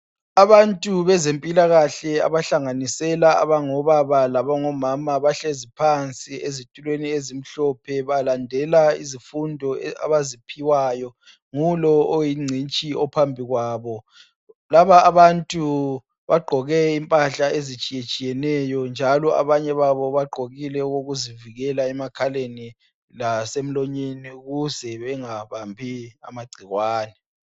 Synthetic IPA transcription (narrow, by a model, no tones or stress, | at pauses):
aβantʼuβɛzempʼilaɣaɬɛa̰βaɬaŋanisɛlaa̰βaŋɔβaβalaβaŋɔmamaβaɬezipʰant͡sʼiezitʼulweniezim̩ɬɔpʰɛβalandʱɛlaizifundʱɔa̰βazipʰiwaːjɔ | ŋulɔojiŋ͡ǀʱint͡ʃʼiɔpʰambʱiɣwaːβɔ | laβaːβantʼu | βaɡ͡ǃʱɔɣɛimpʼaɬaezit͡ʃʼijet͡ʃʼijɛnɛjɔnd͡ʒʱalɔa̰βaɲɛβaβɔβaɡ͡ǃʱoɣilɛuɣoɣuziviɣɛlaɛmakʰaleni | lasem̩loɲeniuɣuzɛβɛŋaβambʱia̰maɡ͡ǀʱiɣwaːnɛ